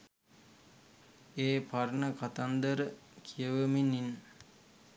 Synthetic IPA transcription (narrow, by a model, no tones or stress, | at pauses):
eːpaɾɳəkat̪and̪əɾəkʰijəʋəminin